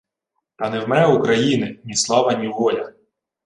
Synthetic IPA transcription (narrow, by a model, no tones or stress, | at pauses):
t̪ɑnɛwmɛukɾɐjinɪnʲislˠɑʋɐnʲiʋɔlʲɐ